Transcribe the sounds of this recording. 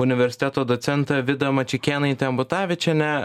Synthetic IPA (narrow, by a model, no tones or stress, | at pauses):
ʊnʲɪʋʲɛɾʲsʲɪ̥t̪ʲɛt̪oːd̪ɔt̪sʲɛnt̪ɐʋʲɪd̪ɐmɐt͡ʃʲɪkʲeːnɐɪt̪ʲɛmbʊt̪ɑːʋʲɪt͡ʃʲɛnʲɛ